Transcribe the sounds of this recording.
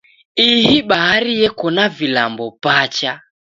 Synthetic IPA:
iɦiɓaɦaɾijɛkɔnavilambɔpat͡ʃa

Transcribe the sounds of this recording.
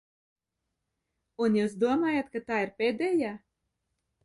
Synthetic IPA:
unjuːsd̪uɔmaːjat̪kat̪aːiɾpʲeːd̪ɛːjaː

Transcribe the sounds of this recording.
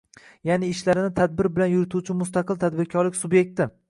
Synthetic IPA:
janɪːʃlaɾɪnɪt̪ʰad̪̚bɪɾbɪlanjʊɾɪt̪ʰut͡ʃʰɪmʊst̪aqʰɨlt̪ʰad̪bɪɾkʲʰɒɾlɪkʲsʊbje̞k̚ʲt̪ɪ

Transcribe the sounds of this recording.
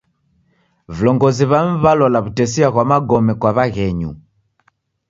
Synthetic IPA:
vilɔŋɡɔziβam̩βalɔlaβutɛsiaɣwamaɡɔmɛkwaβaɣɛɲṵ

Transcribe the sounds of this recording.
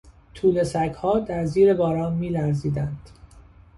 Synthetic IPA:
t̪ʰuːle̞sækhɒːd̪æɾziːɾe̞bɒːɾɒːnmiːlæɾziːd̪ænd̪̥

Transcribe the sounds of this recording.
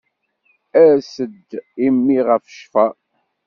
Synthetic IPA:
æɾsəd̪imːiʁəfʃfæ

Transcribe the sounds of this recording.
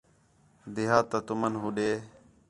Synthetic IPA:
d̪ɪɦaːt̪ət̪ʊmənɦuɗeː

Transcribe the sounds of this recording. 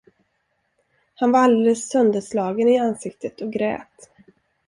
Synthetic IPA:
hanvaɾald̪eːlːləsːœnd̪əslɑːɡənɪansɪk̚t̪ʰət̪ʰɔɡɾɛ̰ːt̪

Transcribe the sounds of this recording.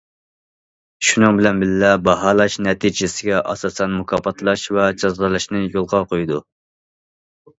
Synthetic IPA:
ʃunɨŋbɪlɛnbɪllɛbɑɦɑlˠɑʃnɛt̪ʰid͡ʒɪsɪɡʲɛʔɑ̰sɑːsɛnmukʰɑpʰɑt̪ʰlˠɑʃvɛd͡ʒɑzʁɑlˠɨʃnɨjolˠʁɑqʰojd̪u

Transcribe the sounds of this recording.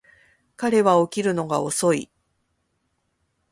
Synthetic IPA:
kaɾe̞βao̞kʲiɾɯ̟no̞ɡao̞so̞ḭ

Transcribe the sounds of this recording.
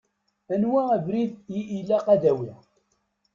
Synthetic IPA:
ænwæævɾiðjiʔilːæqæd̪æwi

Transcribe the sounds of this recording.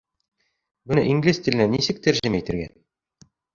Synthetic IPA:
bɘ̆nɘʔiŋɡlʲist̪ʲilɘ̆nænisɘk̚t̪æɾʒɘmæit̪ɘ̆ɾɡæ̰

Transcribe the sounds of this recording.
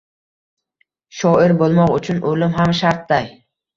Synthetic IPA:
ʃɒɪɾbolˠmɒqʊt͡ʃʰʊnʔolɪmɦamʃaɾt̪̚d̪aj

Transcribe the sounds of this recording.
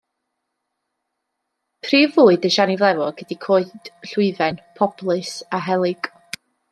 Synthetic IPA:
pʰriːvuːɨdəʃanivlˠɛvɔɡ̥ədikʰoːɨd̥ɬʊɨvɛnpʰɔb̥lˠɨsaɦɛlˠɪɡ̥

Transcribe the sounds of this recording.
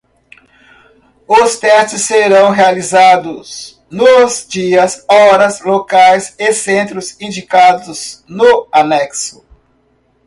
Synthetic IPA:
ʊst̪ɛst͡ʃɪsːeɾɐ̃w̃ɦealizad̪ʊz | nʊzd͡ʒiɐsɔɾɐzlokajsɪsẽnt̪ɾʊzĩd͡ʒikad̪ʊznʊanɛksʊ̥

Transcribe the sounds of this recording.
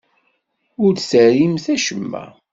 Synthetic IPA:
ʊɾsəɾimθæʃəmːæ̰

